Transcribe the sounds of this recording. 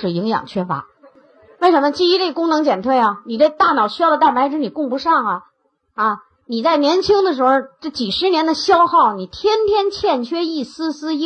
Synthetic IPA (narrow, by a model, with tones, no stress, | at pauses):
ɻ̩˨˩i˧˥ŋjɑ̰˨˩ŋt͡ɕʰɥɛ˥fa̰˧˥ | wɪʂə˧˥nmə˧t͡ɕi˥˧˩i˧˥ʈ͡ʂe˥˩ɡə˧kʊ˥ŋnɤ˧˥ŋt͡ɕjɛ˨˩nt̪ʰwe˥˩ɪɐ˩ni˨˩ʈ͡ʂe˥˧t̪a˥˩nɑ˨˩ʊɕy˥jɑ˥˧˩d̪ə˩t̪a˥˩ma˧˥ɪʈ͡ʂɻ̩˧˥ni˨˩kʊ˥˩ŋpʂɑ˥˩ŋɐ˩ | ɐ˥˧ | ni˨˩t͡sa˥˩ɪnjɛ˧˥nt͡ɕʰi˥ŋd̪ə˨ʂɻ̩˧˥xɔ˧ʈ͡ʂɤ˥˩t͡ɕi˨˩ʂɻ̩˧˥njɛ˧˥nd̪ə˧ɕjɑ˥ʊxɑ˥˩ʊni˨˩t̪ʰjɛ˥nt̪ʰjɛ˥nt͡ɕʰjɛ˥˩nt͡ɕʰɥɛ˥i˥˩sɹ̩˥sɹ̩˥